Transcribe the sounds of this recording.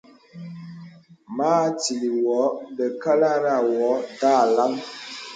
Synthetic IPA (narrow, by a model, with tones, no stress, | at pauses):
maː˦ti˨li˨wɔ˨˦be˨ka˦la˦ɾa˦˨wɔ˨˦da˦˨la˦ŋ